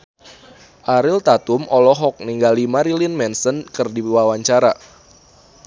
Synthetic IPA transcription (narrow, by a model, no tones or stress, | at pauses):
ʔaɾɪlt̪at̪umɔlɔɦɔk̚niŋɡalimaɾilinmɛnsənkɨrdiwawaɲt͡ʃaɾa